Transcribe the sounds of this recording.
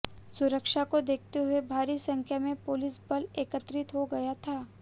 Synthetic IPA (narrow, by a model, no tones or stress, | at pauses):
sʊɾəkʃakod̪eːkʰt̪eɦʊebʱaːɾisɐ̃ŋkʰjamẽpʊːlɪsbɐleːkət̪ɾɪt̪ɦoɡɐjat̪ʰaː